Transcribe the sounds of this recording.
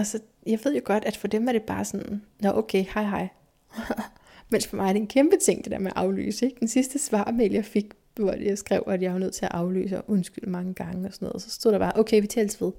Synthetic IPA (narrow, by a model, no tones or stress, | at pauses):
ɒsɒ̽ | jɑ̈ɪʋe̝ð̞̰ˠjo̝ɡ̥ɒ̽d̥æd̥fɒ̽d̥emæɐɾ̥e̝b̥ɑ̈ːsɒ̽nnɒʔokʰehɑ̈ɪɦɑ̈ɪ̰ | mensfɒmʔɑ̈ɪɐd̥e̝nkʰemb̥ət͡sʰe̝ŋ̰d̥e̝d̥ḛɐ̰meæʔɑ̈ʊly̰ːsəe̝ɡ̥d̥ensisd̥əsʋɑ̰̈ːmeljɑ̈ɪfe̝ɡ̥ | ʋɒdejaɪsɡ̥ʁɛʊ̰æd̥jɑɪʋɑnøð̞̰ˠt͡sʰe̝æʔɑ̈ʊly̰ːsəɒʔɔnsɡ̥yl̰mɑ̈ŋəɡ̥ɑ̈ŋəɒ̽sɒnɔ̽ːð̩ˠsɒ̽sd̥o̝ð̰ˠd̥ɑb̥ɑːʔoʊkʰeɪʋit͡sʰɛ̰ːlsʋe̝ð̞ˠ